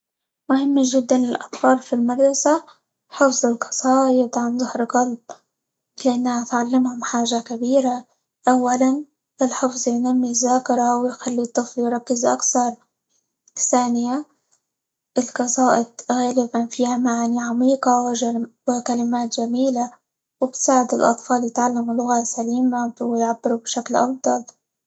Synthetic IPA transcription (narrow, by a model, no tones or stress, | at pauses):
mʊhɪmːaʒɪd̪ːanɪlʔɑ̰t̪ˤfɑːɾˤfilmɑd̪ɾˤɑsa | ħɪfzˤɪlqɑ̥sˤɑːʔɪt̪ʕanzˤɪhɾqɑlb̚ | lɪʔanːahat̪ʕalːɪmhʊmħaːʒakabiːɾa | ʔawːalan | ʔɪlħɪfzˤjnamːizːaːkɪɾˤɑwɪjxalːit̪ˤːɨfljɾˤɑkːɪzʔa̰kθɑɾˤ | θaːnɪja | ʔɪlqɑsˤɑːʔɪt̪ɣaːlɪbanfiːhamaʕaniʕamiːqɑwɪʒwɪkalɪmaːt̪ʒamiːla | wɪbt̪saːʕɪd̪ɪlʔɑ̰t̪ˤfɑːljɪt̪ʕalːamulʊɣasaliːmawɪjʕabːɪɾubʃaklʔɑ̰fd̪ˤɑl